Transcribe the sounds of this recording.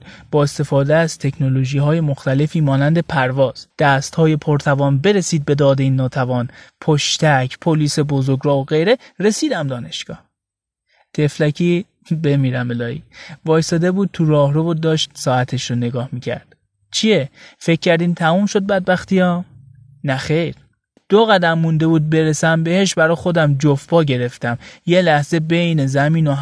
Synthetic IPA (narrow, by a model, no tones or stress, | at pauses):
b̥ɒːest̪e̞fɒːd̪eæz̥t̪ʰe̞kʰnoloʒiːɦɒːje̞moxt̪æle̞fiːmɒːnænd̪e̞pʰæɾvɒːz̥d̪̥æst̪hɒːje̞pʰoɾt̪ʰævɒːnbe̞ɾesiːd̪̚be̞d̪ɒːd̪e̞iːnːɒːt̪ʰævɒːnpʰoʃt̪ʰæcʰpʰoliːsebozoɡɾɒːoɣe̞jɾe̞ɾe̞siːd̪æmd̪ɒːne̞ʃɡ̥ɒ̰ːh | t̪ʰe̞flæcʰiː | be̞miːɾæmelɒːiːvɒːjsɒːd̪e̞buːd̪̚t̪ʰuɾɒːhɾovod̪ɒːʃt̪sɒːæt̪ʰe̞ʃɾone̞ɡɒːhmicʰæ̰ɾd̪̥ | t͡ʃʰiefe̞cʲʰːæɾd̪iːmt̪ʰæmumʃo̞d̪̚bæd̪̚bæxt̪iɒː | næxejɾ | d̪̥oɣæd̪æmːund̪e̞buːd̪̚be̞ɾesæmbe̞heʃbæɾɒːxo̞d̪æmd͡ʒofbɒːɟe̞ɾe̞ft̪æmje̞læhze̞bejne̞zæmiːno